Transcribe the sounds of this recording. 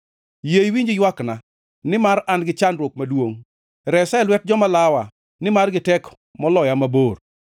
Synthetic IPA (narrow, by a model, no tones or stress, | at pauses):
jejwiɲd͡ʒɪjwakna | nɪmaɾanɡɪt͡ʃanɾwok̚madwoŋ | ɾɛsɛlwɛt̚d͡ʒɔmalawa | nɪmarɡɪtɛk | mɔlɔjamabor